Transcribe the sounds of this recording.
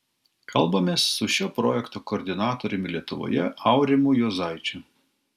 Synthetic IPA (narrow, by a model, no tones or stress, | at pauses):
kʰɐlˠbɐmʲeːsːʊʃʲoːpɾoːjɛkt̪oːkoːɾʲd̪ʲɪnɑːt̪oːɾʲɪmʲɪlʲiɛt̪ʊʋo̰jɛʔɐʊɾʲɪmuːjuːzɑɪt͡ʃʲʊ